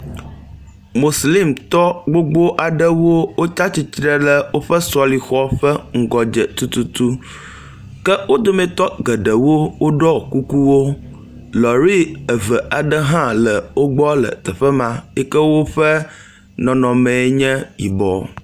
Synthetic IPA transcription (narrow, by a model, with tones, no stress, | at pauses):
mo˨sli˦mt̪ɔ˦ɡ͡bo˦ɡ͡bo˦ʔa˨ɖə˦wo˦wo˦t͡ʃa˦t͡ɕi˦t̪ɾə˦lə˨wo˦ɸə˦sɔ˦li˨xɔ˦ɸə˦ŋ̩˦ɡɔ˨d͡ʒə˨t̪u˦t̪u˦t̪u˦ | kə˦wo˦d̪o˦mɛ̃˦t̪ɔ˦ɡə˨ɖə˨wo˦wo˦ɖɔ˦˨ku˦ku˦wo˦ | lɔ˨ɾi˦ə˨və˨ʔa˨ɖə˦ɦã˦lə˨wo˦ɡ͡bɔ˦lə̰˨t̪ə˨ɸə˦mã˨ɛ˦kə˦wo˦ɸə˦ | nɔ̃˨nɔ̃˨mɛ̃˨˦ɲɛ̃˦jḭ˨bɔ̰˨